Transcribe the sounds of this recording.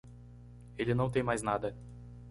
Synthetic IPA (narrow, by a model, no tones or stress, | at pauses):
elʲɪnɐ̃w̃t̪ẽj̃majznad̪ɐ